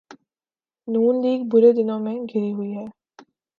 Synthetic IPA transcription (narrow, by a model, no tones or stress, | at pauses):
nuːnliːɡ̚bʊɾed̪ɪnõmẽɡʱɪɾiɦʊiɦɛː